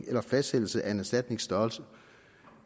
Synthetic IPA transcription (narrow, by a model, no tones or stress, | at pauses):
ŋelɐfæsd̥hel̰l̩səʔæe̝næsd̥æd̥ne̝ŋsd̥ɒːlsə